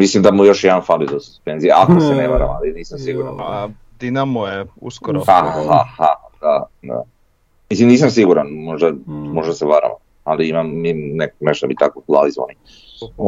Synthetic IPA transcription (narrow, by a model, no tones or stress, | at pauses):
mislimd̪amujo̞ʃjed̪anfalid̪osu̥spenzijeʔakoseneʋaɾa̰maliniːsamsiɡuɾa̰n | d̪inamujeṵskoɾoahahaad̪ad̪a̰ | mislimniːs̬ams̬iɡuɾanmo̞ʒd̪amo̞ʒd̪aseʋaɾa̰ʋa̰m | aliimamːinekneʃt̪amit̪akokulalizo̰a̰ni